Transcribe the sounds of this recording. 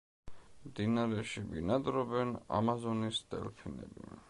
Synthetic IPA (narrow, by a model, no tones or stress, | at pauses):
md̪inaɾɛʃibinad̪ɾɔbɛna̰mazɔnist̪ʼɛ̰lpʰinɛ̰bḭ